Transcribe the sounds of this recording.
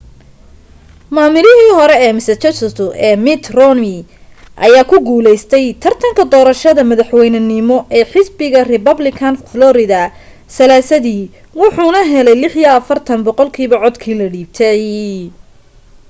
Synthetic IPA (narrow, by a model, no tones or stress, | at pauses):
maːmɪlɪɦiːɦɔɾɛɛːmɪsɐt͡ʃɛsɪt̪ʰʊʔɛːmɪt̪rɔnɪ | ʔɐ̰jaːkʰʊɡuːlɛjst̪ʰɛjt̪ʰɐrt̪ʰɐŋkʰɐd̪ɔːɾɐʃɐðɐmɐðɐħwɛjnɐnɪmɔʔɛːħɪsbɪɣɐrɪpɐblɪkʰɐnflɔɾɪðɐ | sɐlaːsɐðiː | wʊħuːnɐɦɛlɛjlɪħijɐɐfɐrt̪ʰɐnbɔqɔlkʰiːβɐʕɔd̪kʰiːlɐɽiːb̚t̪ʰɛj